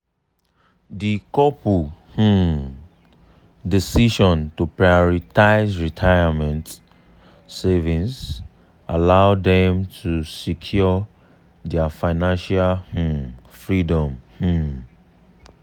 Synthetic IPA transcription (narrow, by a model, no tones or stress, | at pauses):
dikɔpuh̩ | disiʃɔ̃ntupɹajɔɹitaɪzɹitʰaɪamɛ̃nt | sevĩns | alaʊdɛ̃mtʰusikʰjɔ | dɛafaɪnãnʃalh̩fɹidɔ̃mh̩